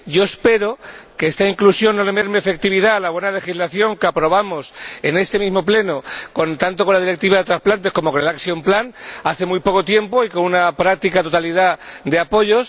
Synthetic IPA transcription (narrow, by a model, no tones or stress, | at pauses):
ɟ͡ʝo̞espe̞ɾo̞keest̪aiŋklusjo̞nnolemeɾmeefe̞k̚t̪iβiðaːlaβwe̞nale̞xizlaθjo̞ŋkeapɾo̞β̞amose̞ne̞st̪e̞mizmo̞ple̞no̞ko̞nt̪ant̪o̞ko̞nlað̞iɾe̞k̚t̪iβ̞aðe̞t̪ɾasplant̪e̞sko̞mo̞kone̞laksjoemplanaθe̞mujpo̞ko̞t̪je̞mpo̞iko̞nunapɾak̚t̪ikat̪o̞t̪aliðad̪e̞apo̞ʝo̞s